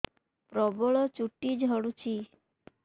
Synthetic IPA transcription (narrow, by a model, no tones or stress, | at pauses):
pɾɔbɔɭɔt͡ʃuʈid͡ʒʱɔɽut͡ʃʰi